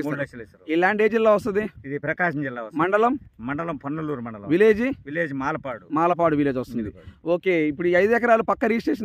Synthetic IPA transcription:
iːlaːɳɖe̞ːd͡ʒilːaːʋɐs̬t̪ɐnd̪iid̪ipɾɐkaːʃɐmt͡ʃɛlːaːɐsmɐɳɖɐlɐmmɐɳɖɐlɐmpʰɐnːulːuːɾumɐɳɖɐlɐʋileːd͡ʒiʋileːd͡ʒimaːlɐpaːɽumaːlɐp̬aːɽuʋileːd͡ʒʋɐst̪und̪ioːkeːipːuɽuɐjd̪uɛkɐɾaːlupɐkːɐɾiːst͡ʃeːʂɐn

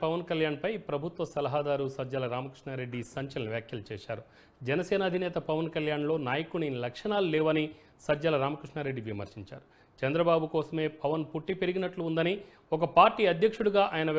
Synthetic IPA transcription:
pɐʋɐnkɐljaːnpɐjpɾɐbʱut̪ʋɐsɐlɐɦaːd̪aːɾusɐd͡ʒɐlɐɾaːmɐkɾiʂɳaːɾe̞ɖːisɐɲt͡ʃɐlɐnɐʋjaːkʰjɐlut͡ʃɛːʃaːɾu | d͡ʒɛnɐsɛːnɐːd̪ʱinɛːt̪ɐpɐʋɐnkɐljaːnlo̞ːnaːjɐkuninlɐkʂɐnaːlulɛːʋɐni | sɐd͡ʒɐlɐɾaːmɐkɾiʂɳaːɾe̞ɖːiʋimɐ̰ɾʂiɲt͡ʃa̰ːɾu | t͡ʃɐnd̪ɾɐbaːbukɔːsɐme̞ːpɐʋɐnpuʈːipeɾiɡinɐʈluːnd̪ɐni | ɔkɐpaːɾʈːiːɐd̪ʱjɐkʂuɽuɡaːʔaːjɐnɐ

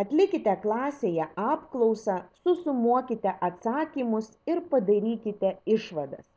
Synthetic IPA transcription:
ɐt̪ʲlʲɪkʲɪt̪ʲɛklˠɑːsʲeːjɛɑːpklˠɒʊsɐsʊsʊmuɔkʲɪt̪ʲɛʔɐt̪sɑːkʲiːmʊsɪɾpɐd̪ɐɾʲiːkʲɪt̪ʲɛɪʃʋɐd̪ɐ̰s

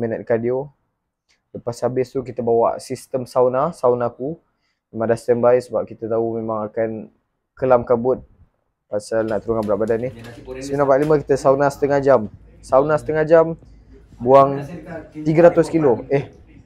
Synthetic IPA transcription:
mənət̪̚kadio | ləpasabɪst̪ukit̪əbawa̰ʔsist̪əmsawnasawnaku | memaŋdast̪anbaisəbap̚kit̪ət̪aumemãŋakan | kəlamkabʊt̪̚ | pasalnaʔt̪əɾuŋanbəɾaʔbadanːisəminabalimə̃kit̪əsaunasə̥t̪əŋad͡ʒam | saunasə̥t̪əŋad͡ʒam | buaŋt̪iɡəɾat̪ʊskiloɛh

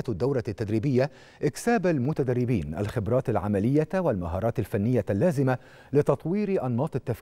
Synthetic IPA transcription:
t̪d̪ːawɾɑt̪ːad̪ɾiːbɪjːa | ʔɪksaːbalmʊt̪ad̪arˤːɪbiːnʔa̰lxɪbɾˤɑːt̪alʕamalɪjːawalmaɦɑːɾˤɑːt̪alfanːɪjːalːaːzɪma | lɪt̪ɑt̪ˤwiːɾʔɑnːɑːt̪ˤɪt̪ːaf

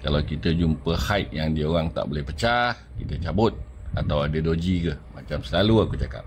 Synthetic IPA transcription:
kalawkit̪əd͡ʒumpəhajt̪̚jaŋdiəoɣaŋt̪a̰ʔbolɛhpət͡ʃahkit̪ət͡ʃabʊt̪̚ | at̪awadədod͡ʒikəmat͡ʃamsəlaluakut͡ʃaka̰p̚

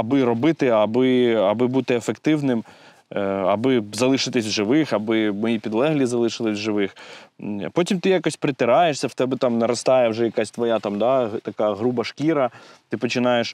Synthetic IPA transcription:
ɐbɪɾɔbɪt̪ɪɐbɪɐbɪbut̪ɪefekt̪ɪwnɪm | ɐbɪzɐlˠɪʃɪt̪ɪsʲʒɪʋɪxɐbɪmɔipʲid̪lˠɛɦlʲizɐlˠɪʃɪlˠɪsʲʒɪʋɪx | pɔtʲimt̪ɪjakɔsʲpɾɪt̪ɪɾɑjeʂsʲɐwt̪ɛbɪt̪ɑmnɐɾɔst̪ɑjɛwʒɛjɐkasʲt̪ʋɔjat̪ɑmd̪ɑt̪ɐkaɦɾubɐʃkʲiɾɐt̪ɪpɔt͡ʃɪnɑjeʃ

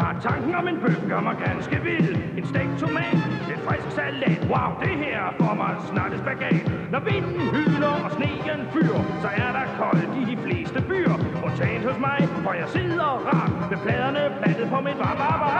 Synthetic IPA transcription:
ɑ̰̥̈t͡sʰɑ̈ŋɡ̥ŋ̩ɒ̽me̝nb̥øɡ̥ɡ̥ɐmɑɪɡ̥ænsɡ̥əʋele̝nsd̥ɛɡ̥̚t͡sʰomɛ̰ːd̥d̥efʁɛsɡ̥sæled̥wɑ̈ʊd̥e̝ɦeɐ̰fɒmɑɪsnɑ̈ːd̥əsb̥æɡ̥ɛ̰ːd̥nɒʋend̥n̩ɦylɐɒ̽sne̝̰̥ːie̝nfy̰ːɐsɒ̽æɐd̥ɑ̈kʰɒ̽ld̥idifle̝̰ːsd̥əb̥y̰ːɐɒ̽t͡sʰɛːnhɔsmɑ̈ɪfɒjɑ̈ɪseðˠɐʁɑ̈b̥ʋepʰlɛːð̞ˠɐnəpʰlæd̥əð̩ˠpʰɒ̽mid̥ʋɑ̈b̥ɑb̥

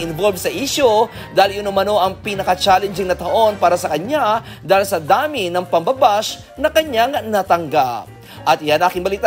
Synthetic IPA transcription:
ɪnvolbsɐʔiʃo | d̪aːɪljʊnomɐno̞ʔɐŋpiːnɐkɐt͡ʃaːlɛnd͡ʒɪŋnɐt̪ɐʔo̞npaːɾɐsɐkɐɲa | d̪aːhɪlsɐd̪aːmɪnɐŋpɐmbɐbas | nɐkɐɲaŋnɐt̪ɐŋɡap̚ | ʔɐt̪ʔɪjanʔaːkɪŋbɐliːt̪

